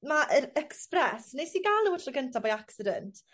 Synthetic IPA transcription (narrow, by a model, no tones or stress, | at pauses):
maʔəɾɛksprɛsnejsiːɡalnəwətʰrɔɡəntʰabɔjaksɪdɛntʰ